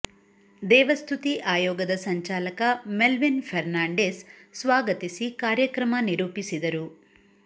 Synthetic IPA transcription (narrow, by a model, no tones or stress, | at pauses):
d̪ɛːʋɐst̪ʰut̪iʔaːjɔːɡɐd̪ɐsɐɲt͡ʃaːlɐkɐmelʋinpʰɐɾnaːɳɖeːsːʋaːɡɐt̪isikaːɾjɐkɾɐmɐniɾuːpisid̪ɐɾu